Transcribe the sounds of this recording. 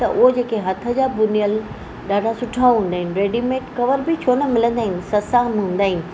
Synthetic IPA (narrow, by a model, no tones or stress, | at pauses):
t̪ɐ̰ʔʊɦod͡ʑeːkeɦɐt̪ʰə̆d͡ʑaːbʊnijəl | ɗaːɖasʊʈʰãɦũːn̆d̪aːɪnɪ̆ɾeːɖimeːʈkɐʋəɾbɪt͡ɕʰoːnɐmɪlə̃nd̪aːɦɪnɪsɐsãmɦũːn̆d̪aːɦɪnɪ̆